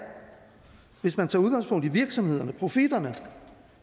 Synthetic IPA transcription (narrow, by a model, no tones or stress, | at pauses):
ʋe̝smænt͡sʰɑ̈uðˠɡ̥ɑ̈ŋspʰɔ̽ŋ̰d̥iʋiɐɡ̥sɒ̽mhe̝ð̞̰ˠɐnəpʰʁo̝fid̥ɐnə